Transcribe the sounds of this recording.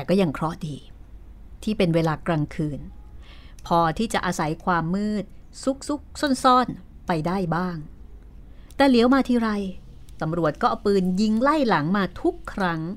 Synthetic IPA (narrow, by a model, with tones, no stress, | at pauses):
kɔː˥˩ja˧ŋkʰɾɔ˦˥diː˧ | t̪ʰiː˥˩pe˧nweː˧laː˧kɾaː˧ŋkʰɯː˧n | pʰɔː˧t̪ʰiː˥˩t͡ɕa˨˩ʔaː˧sa˩˦jkʰwaː˧mːɯː˥˩t̪̚su˦˥k̚su˦˥k̚so˥˩nsɔː˥˩n | pa˧jdaː˥˩jbaː˥˩ŋ | t̪ɛː˨˩li˨˩˦wmaː˧t̪ʰiː˧ɾa˧j | t̪a˧mɾu˨˩ət̪̚kɔː˥˩pɯː˧nji˧ŋla˥˩jla˩˦ŋmaː˧t̪ʰu˦˥kʰːɾa˦˥ŋ